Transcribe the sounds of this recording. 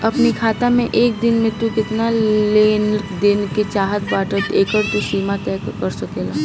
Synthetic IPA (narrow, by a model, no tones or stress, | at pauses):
ɐpnikʰaːt̪amẽʔeːk̚d̪ɪnmẽt̪ukɪt̪naleːnd̪eːnket͡ʃaːɦət̪baːʈət̪eːkəɾt̪usiːmat̪ɛːkkɐɾsɐkeːlaː